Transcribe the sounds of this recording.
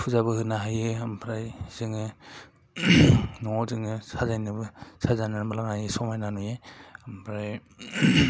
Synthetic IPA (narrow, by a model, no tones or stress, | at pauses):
pʰuzaβɯhɯnaɦajɯampʰɾajz̥ɯŋɯ | nɔŋɔzɯŋɯsazajnɯbɯsazanaɾmbalaŋajɯsɔmajnanujeampʰɾaj